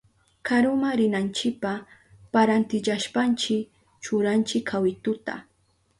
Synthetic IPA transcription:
kʰaɾʊmaɾɪnant͡ʃɪk̚pa | paɾant̪ɪʎaʃpant͡ʃɪ | t͡ʃʊɾant͡ʃɪkʰːawɪt̪ʊt̪a̰

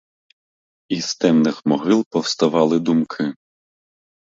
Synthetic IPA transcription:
ist̪ɛmnɪxmɔɦɪlˠpɔwst̪ɐʋɑlˠɪd̪umkʰɪ

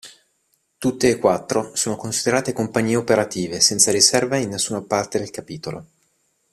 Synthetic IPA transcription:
t̪ut̪ːeːkwat̪ːɾosoːnokonsid̪eɾaːt̪ekompaɲːiːeopeɾat̪iːvesɛnt̪saɾisɛrvainːesːuːnapart̪ed̪elkapiːt̪olo̰

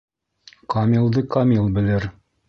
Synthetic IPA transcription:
kɑmʲilˠd̪ɤkamʲilˠbɘ̆lɘɾ

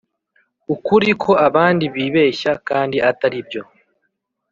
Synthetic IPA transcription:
ukuɾikʰo̞aβaːndiβiːβe̞ːʃakaːndiʔataɾibjo̞

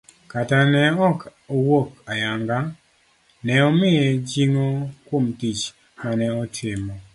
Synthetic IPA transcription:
katanɛɔkowokajaŋɡa | nɛɔmɪɛd͡ʒiŋokwomtit͡ʃ | manɛɔtʰɪmɔ

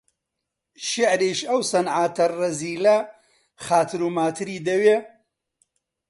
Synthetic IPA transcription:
ʃɪʕɾiʃɐwsɐnʕaːt̪ʰɐrɐziːlɐ | xaːt̪ʰɨɾumaːt̪ʰɨɾiːd̪ɐweː

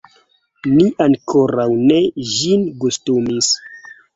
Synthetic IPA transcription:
niʔaŋkʰoɾawne̞ʒinɡustumis

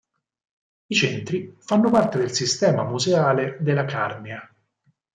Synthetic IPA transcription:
it͡ʃɛnt̪ɾifanːopart̪ed̪elsist̪ɛːmamuzeaːled̪elːakarmea

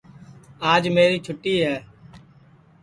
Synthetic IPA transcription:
aːd͡ʒmeːɾiːt͡ʃʰʊʈːiːɦɛː

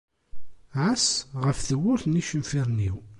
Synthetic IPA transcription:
ʕasʁəfθəwːʊɾθniʃəmfiɾˤniw

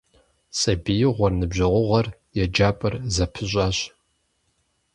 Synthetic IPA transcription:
sʼɐbijɪʁʷɔrnɨbʑɐʁʷʊʁɐrjɛd͡ʒaːpʼɐrzɐpʰɨɕʷʼaːɕ

